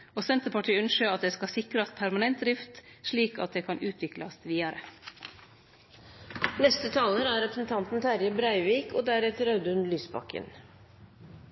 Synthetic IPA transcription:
oːsɛnt̪əpɑʈʰiːʉnʃəɑt̪̚d̪eːskɑsɪkɾɑspʰæɾmɑnɛnt̪̚d̪ɾɪft̪ʂɭiːkɑ̰t̪̚d̪eːkʰɑnʔʉːt̪ʰʋɪklɑsʋiːɑɾə | nɛst̪ət̪ʰɑːləɾæːɾɛpɾsn̩t̪ʰɑnt̪n̩t̪ʰæɾjəbɾæɪʋiːkoːd̪æːɾɛt̪ɾɑʉd̪ʉnlyːsbɑ̰kə̰n

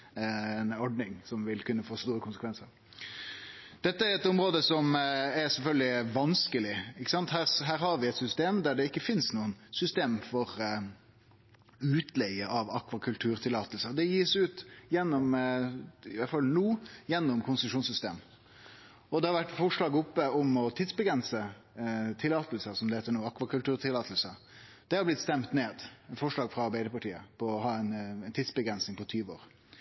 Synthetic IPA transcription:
nɔɖnɪŋsɔmʋɪlkʉnːəfoːst̪uːɾəkʰʊnsəkʋɛnsəɾ | d̪̥ɛt̪ːəæɾɛt̪ʊmɾoːd̪əsɔmɛɾsɛlfœlɡ̪lɪʋɑnskəlɪɪkːə̥sɑnt̪hæːɾɦæːɾhɑɾʋɪɛt̪sʏst̪eːmd̪æɖɛɪkːəfɪnsnuːənsʏst̪eːmfɔɾ | ʉːt̪ʰlɛɡəʔɑʋɑkʋɑkʰʉlt̪ʰʉːɾt̪ʰɪlɑːt̪əlsəd̪ɛjiːʂʉːt̪jɛnːɔm | ɪʋæɾfɑlːnuːjɛnːɔmkʰʊnsʂuːnsʏst̪eːm | ɔd̪ɛhɑɾʋæʈːfɔʂɭɑːɡʊpːəɔmɔt̪ʰid̪sbəɡɾɛnsə | t̪ʰɪlːɑːt̪əlsəsɔmd̪hɛɪt̪ənuːɑkːʋɑkʉlt̪ʉːɾt̪ɪlɑːt̪lsə | d̪̥ɛhɑɾblɪt̪st̪ɛmt̪neːd̪fɔʂɭɑːɡfɾɑɑɾbæɪd̪əpɑʈiːə̰pʰɔɔɦɑːɛɪnænt̪ʰiːd̪sbəɡɾɛnsnɪŋpɔt̪ʰyːʋəo̰ːʁ

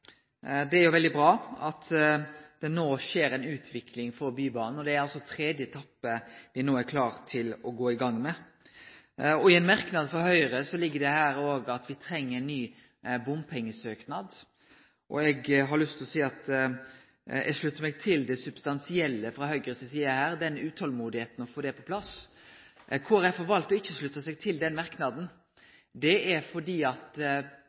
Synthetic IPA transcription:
d̪ɛæɾjʊʋɛld̪ɪbɾɑːɑt̪d̪̥ɛnoːʃeːɾɛɪnʉːt̪ʰʋɪkʰlɪŋfɔɾbyːbɑːnn̩ɔd̪ɛæɾɑlsɔt̪ʰɾeːd̪jət̪ʰɑpːəʋɪnoːæɾkʰlɑːɾt̪ʰɪlɔɡoːɪɡɑŋːmɛ | ɔɪɛnmæɾknɑd̪fɔhœʏɾəsɔlɪɡːəɖɛhæːɾoːɡɑt̪ʋɪt̪ʰɾɛŋːəɾɛnːyː | bʊmpʰɛŋːəsøːknɑd̪ | ʔɔ̰ɛɡɦɑɾɭʉst̪ʰlɔsiːɑt̪ | ɛ̰ʂɭʉt̪ːəɾmɛɡ̚t̪ʰɪld̪ɛsʉb̥st̪ɑnsɪɛlːəfɾɑhœʏɡəɾəsɔsiːəɾhæːɾd̪ɛnʉːt̪hɔlmuːd̪ɪheːt̪n̩ɔfoːd̪ɛpʰɔpʰlɑs | kʰʊɛfɔɾʋɑlkt̪ɔɪçːəʂɭʉt̪ːəsɛɡ̚t̪ʰɪld̪ɛnmɑɾknɑd̪n̩ | d̪ɛæɾfɔɖiːɑt̪

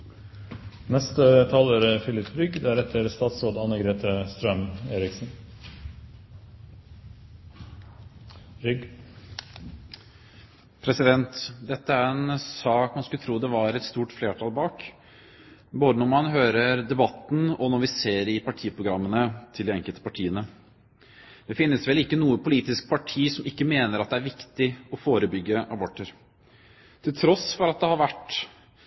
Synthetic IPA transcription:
nɛst̪ət̪ʰɑːləɾəfɪlɪpɾʏɡd̪æːɾɛt̪ːəɾst̪ɑːt̪soːd̪ɑnːəɡɾeːt̪ʰəst̪ɾœmeːɾɪksn | ɾʏɡ | pʰɾɛsɪd̪ɛnt̪d̪ɛt̪ːəæɾɛnsɑːkmɑnskʉlət̪ʰɾuːd̪ɛʋɑɾɛt̪st̪uːʈfleːʈʰɑːlbɑːk | boːd̪ənɔɾmɑnɦøːɾəɾd̪ɛbɑt̪ːn̩ɔnɔɾʋɪseːɾɪpɑʈʰiːəpʰɾʊɡɾɑmːənət̪ʰɪlɪɛŋkəlt̪ə̥pɑʈʰiːənə | d̪̥ɛfɪnːəsʋɛlɪkːənuːəpʊliːt̪ɪsk̚pʰɑʈʰiːsɔmɪkːəmeːnəɾɑt̪̚d̪ɛæɾʋɪkt̪ɪɔfoːɾəbʏɡːəʔɑbɔʈːəɾ | t̪ʰɪlt̪ʰɾɔsfɔɾɑt̪̚d̪ɛhɑɾʋæʈː

